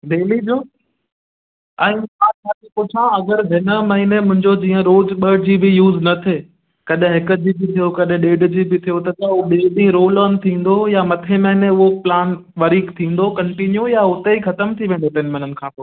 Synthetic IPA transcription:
ɖeːlid͡ʑoː | ɛ̃ːmãːt͡ɕʰaːkʰepʊt͡ɕʰãɐɡəɾɦɪnə̆mɐɦinemʊ̃ɦɪ̃ɲd͡ʑod͡ʑĩːə̃ɾoːzɓɐɽd͡ʑiːbɪjuːznɐt̪ʰe | kɐɗɦɪ̃ɦɪkə̆d͡ʑiːbɪt̪ʰijokɐɗɪ̃ɗeːɖd͡ʑibɪt̪ʰijot̪ɐt̪ɐoɗeːɖĩɾoːlən̆t̪ʰĩːn̆d̪ojamɐt̪ʰemɐɦineʊɦoplaːnʋɐɾiːkt̪ʰĩːnd̪okɐ̃ɳʈinjujaʊt̪eixɐt̪əmt̪ʰiʋẽːn̆d̪ot̪ɐɦɪnɪmɐ̃n̤ənɪ̆kʰãːpoː

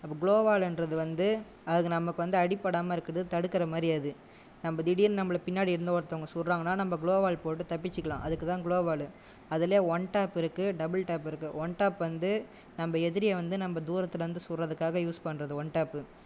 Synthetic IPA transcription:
ɐpːɐːɡɪɭoːbaːlɛndrɐðɯʋɐnd̪ɯ | ɐðɯɣɐnɐmɐkːɯʋɐnd̪ɯɐɽɪpːɐɽaːmɐɪɾɯkːɐɾɐðɯt̪ɐɽɯkːɪɾɐmaːɾɪɐðɯ | nɐmbɐd̪ɪɽɪjɪlnɐmːɯɭɐpɪnːaːɽiɪɾɯnd̪ɐɐɾt̪ːɐːŋɡɐsʊlɾaːŋɡɐnːaːnɐmbɐɡɪɭoːbaːlpoːʈːɯt̪ɐpːɪt͡ʃːɯkːɐɭã̰ːʔɐðɯkːɯt̪ãːɡɭoːbaːlɯ | ɐðɪleːɔɳʈaːpɪɾɯkːɯɖɐbɐlʈaːpɪɾɯkːɯʋɔɳʈaːpʋɐnd̪ɯ | nɐmbɐɛðɪɾɪjɐʋɐnd̪ɯnɐmbɐd̪uːɾɐt̪ːɪlɐʋɐnd̪ɯsʊrːɐðɯkːaːɣɐjuːspɐnːɾɐðɯʋɔɳʈaːpːɯ

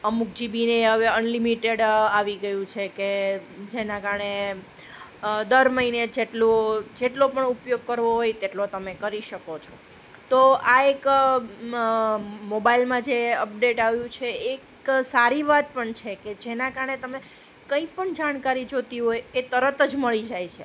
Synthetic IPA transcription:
əmuk̚d͡ʒibineɦəʋeənlimiʈeɽaʋiɡəjũt͡ʃʰeked͡ʒenãkaɾəɳe | d̪əɾməɦined͡ʒeʈlod͡ʒeʈlopəɳupjoɡ̚kəɾʋoɦojt̪eʈlot̪əmekəɾiʃəkot͡ʃʰo̥ | t̪oaek | mobailmãd͡ʒeəpɖeʈaʋjũt͡ʃʰeːk | saɾiʋat̪̚pəɳt͡ʃʰeked͡ʒenãkaɾəɳet̪əme | kə̃ĩpəɳd͡ʒaɽ̃kaɾid͡ʒot̪iɦojet̪əɾət̪əd͡ʒməɭid͡ʒajt͡ʃʰe

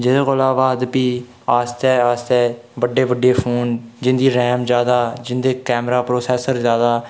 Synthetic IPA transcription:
d͡ʒɪd̪eːɣolaːʋaːd̪piː | aːst̪ɛːaːst̪ɛːbəɖːeːʋəɖːeːpʰoːnd͡ʒɪnd̪iːɾɛːmd͡ʒjaːd̪aːd͡ʒɪnd̪eːkɛːmɾaːpɾoːsɛːsəɾzjaːd̪aː

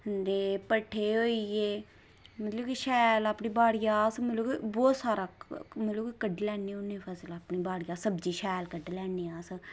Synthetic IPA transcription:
ənd̪eːpəʈʰːeːɦoːiːeː | mət̪ləbkiʃɛːlaːpɳiːbaːɽijaːsməlokbɔːt̪saːɾaːmət̪lokkəɖlɛːɳeʊneːpʰəslaːpɳiːbaːɽɪjaːsəbd͡ʒiːʃɛːlkəɖlɛːɳeːaːs

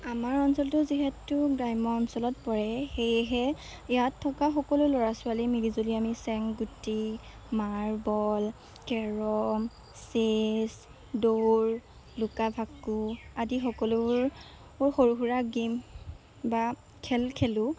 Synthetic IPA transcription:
amaɹɔnsɔltʊziɦɛtʊɡɹajmɔɔnsɔlɔt̚pɔɹɛxejɦɛ | jatʰːɔkaxɔkɔlʊlɔɹasʊalimilizoliamisɛŋɡuti | maɹbɔl | kɛɹɔm | ses | doɹ | lukabʱakuadixɔkɔluɹ | ɔɹxoɹuɦuɹaɡim | ba | kʰɛlkʰɛlʊ

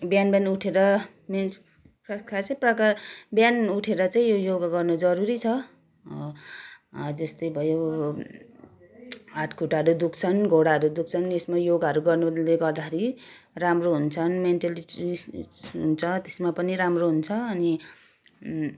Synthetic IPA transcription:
bjanbjanuʈʰeɾʌ | me | prʌskʰat͡sãprʌkabjanuʈʰeɾʌt͡saĩjojoɡɡʌrnod͡zʌɾuɾit͡sʰʌ | d͡zʌst̪ʌjbʱʌjo | aʈʰkʰuʈaɦʌɾud̪ukʰt͡sʰʌnɡʱoɽaʌɾud̪uk̚ʰt͡sʰʌnesmajoɡɦʌɾuɡʌrnoleɡʌrd̪akʰeɾi | ramroɦunt͡sʰʌnmenʈaliiɦunt͡sʰʌt̪esmapʌniɾamroɦunt͡sʰʌːni

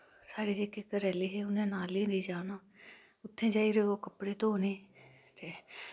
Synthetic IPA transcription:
saːɽeːd͡ʒeːkɪkəɾɛːliːɦeːʊnẽːnaːlĩːɾiːd͡ʒaːnaː | ʊt̪ʰːẽːd͡ʒaːiːɾeːoːkəpːɽeːt̪oːneː | t̪eː

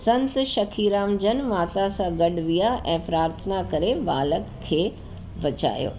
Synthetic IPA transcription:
sɐ̃nt̪ʃɐkʰiːɾaːmd͡ʑənmaːt̪asãɡɐɗʋijaɛ̃ːpɾaːɾt̪ʰənakɐɾeʋaːləkkʰːeː | bɐt͡ɕa̰ːjo̰ː

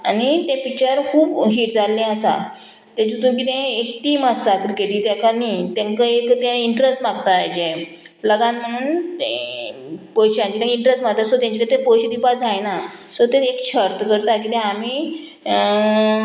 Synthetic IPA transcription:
añit̪ẽpikt͡ɕəɾkʰuːbɦiːʈd͡zalːɛ̃əsa̰ | t̪ẽd͡ʑut̪ũk̬it̪ɛ̃ek̚ʈiːmast̪akɾikeʈiːt̪jakanit̪ẽŋkaekt̪jãiɳʈɾesʈmaɡt̪ad͡ʑẽ | ləɡãnm̤əɽ̃uːn | pojɕãt͡ɕit̪ẽkiɳʈɾesʈmaɡ̚t̪asot̪jaɲt͡ɕikəɾet̪epojɕid̪ipad͡zajnasɔt̪eekɕʰəɾt̪əkəɾt̪ak̬it̪ɛ̃amiː

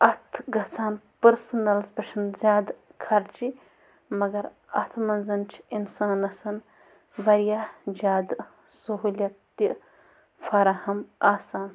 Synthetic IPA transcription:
ɐt̪ʰɡɐt͡saːnpɐɾsɐnɐlspɐʃʰɐnzʲjaːd̪kʰɐɾt͡ʃi | mɐɡɐɾ | ɐ̰t̪ʰmɐnzɐnt͡ʃʰinsaːnɐsɐn | bɐɾijad͡ʒaːd̪ | suɦulʲjɐt̪ːi | fʰɐɾɐhɐmaːsaːn

